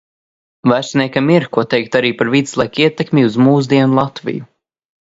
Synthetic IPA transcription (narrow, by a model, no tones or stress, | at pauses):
væsnʲiɛkʲamiɾkuɔt̪ɛjk̚t̪aɾiːpaɾvid̪slˠajkiɛt̪ɛkmʲiuzmuːs̬d̪iɛnulˠɑt̪vḭju